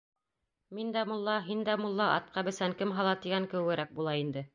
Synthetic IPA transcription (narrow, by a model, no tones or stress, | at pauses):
mind̪æmŏlˠːɑɦind̪æmŏlˠːɑʔɑ̰t̪̚qɑbɘ̆sæŋkɘmɦɑlˠɑt̪iɡæŋkɘ̆wɘɘ̆ɾæk̚bulˠɑind̪ɘ